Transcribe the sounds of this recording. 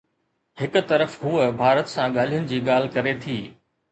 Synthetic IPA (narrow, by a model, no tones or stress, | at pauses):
hɪkʊ̆t̪ɐɾəfɦuəbʱaːɾət̪sãɠaːl̤ijʊnɪ̆d͡ʑiːɠaːl̤ɪkɐɾet̪ʰiː